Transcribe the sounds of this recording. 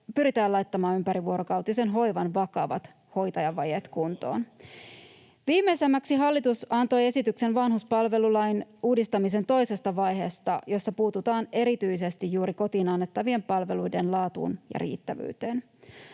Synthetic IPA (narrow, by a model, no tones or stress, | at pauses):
pyɾit̪æːlɑjt̪ːɑmɑːnympæɾiʋuoɾo̞kɑwt̪ise̞nɦo̞jʋɑnʋɑkɑʋɑ̰t̪ | ho̞jt̪ɑjɑʋɑjet̪kunt̪o̞̰ːn | ʋiːmːejsemːæksiɦɑlːit̪usɑnt̪o̞je̞sit̪ykse̞nʋɑnɦhuspɑlʋe̞lulɑjnuːdist̪ɑmis̬e̞nt̪o̞jse̞st̪ɑʋɑjɦe̞ːst̪ɑjo̞sːɑpuːt̪ut̪ɑːne̞ɾit̪yjs̬e̞st̪ijjuːɾiko̞t̪iːnɑnːet̪ːɑʋie̞mpɑlʋe̞lujde̞nlɑːt̪ṵːnjɑ̰ɾḭːt̪ːæʋy̰ːt̪eːn